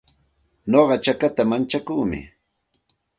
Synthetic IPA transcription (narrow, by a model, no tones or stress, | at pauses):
noɢɑt͡ʃakat̪amant͡ʃakuːmɪ̰